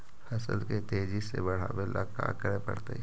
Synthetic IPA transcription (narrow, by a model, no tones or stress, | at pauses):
fʰɛsə̰lket̪eːd͡ʒisḛbɐɽ̤a̰belaka̰ːkəɾepɐ̰ɽt̪ḛ